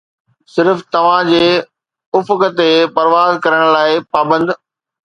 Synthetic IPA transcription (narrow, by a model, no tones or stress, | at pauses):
sɪɾft̪ɐʋ̤ãd͡ʑeː | ʊfkt̪epɐɾʋaːzkɐɾəɽ̃laːɪpaːbə̃nd̪